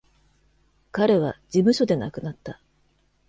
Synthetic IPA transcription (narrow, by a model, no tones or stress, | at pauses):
kaɾe̞β̞ad͡ʑimɯ̟ɕo̞d̪e̞nakɯ̟nat̪ːa